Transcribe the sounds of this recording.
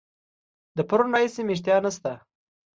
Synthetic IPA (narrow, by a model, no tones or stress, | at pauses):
d̪əpaɾunɾɑɦisemeʂ̬t̪jɑnast̪a